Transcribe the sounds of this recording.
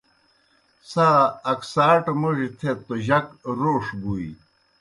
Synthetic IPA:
saːɐksaːʈmoʐit̪ʰet̪oʑɐkɾoːʂbui

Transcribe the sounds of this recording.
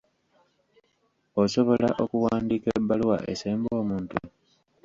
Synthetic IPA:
oso̞βo̞laʔo̞kuwaːndiːkebːaluwa̰ʔeseːmbo̞ːmuːntu

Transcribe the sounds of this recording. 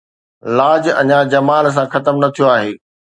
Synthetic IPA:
laːd͡ʑɐ̰ɲãd͡ʑɐmaːls̬ãxɐt̪əmnɐt̪ʰijoaːɦeː

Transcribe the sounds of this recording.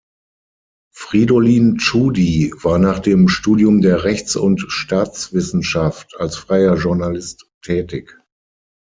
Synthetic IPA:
fʁ̥iːdoliːnt͡ʃuːdivaːɐnaːχd̥eːmʃtuːdjʊmdeːɐʁɛçt͡sʊntʃtaːt͡sv̥ɪsn̩ʃaftʰalsfʁ̥aɪɐʒʊɐnalɪstʰːɛːtɪk

